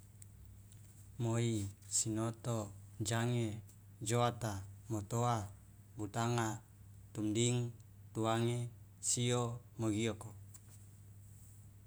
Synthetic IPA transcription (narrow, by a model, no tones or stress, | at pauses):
moisinot̪od͡ʒaŋe | d͡ʒoat̪amot̪oa | but̪aŋa | t̪umdiŋ | t̪uaŋe | sio | moɡioko